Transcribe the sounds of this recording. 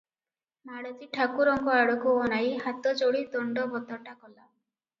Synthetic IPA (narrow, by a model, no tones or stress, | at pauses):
maɽɔd͡ʒiʈʰakuɾɔŋkɔaɽɔkuɔnajɦat̪ɔd͡ʒoɽit̪ɔɳɖɔbɔt̪ɔʈakɔla